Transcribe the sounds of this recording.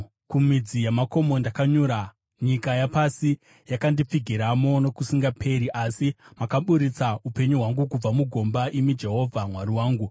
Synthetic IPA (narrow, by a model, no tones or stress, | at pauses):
kumid͡zijamako̞mo̞ndakaɲuɾa | ɲikajapasi | jakandip͡fiɡʱiɾamo̞no̞kusiŋɡapʰe̞ɾiʔasimakaɓuɾit͡saupe̞ɲuɦwaŋɡukub͡vamuɡʱo̞mbaʔimid͡ʒe̞ɦo̞vʱamwariwaːŋɡu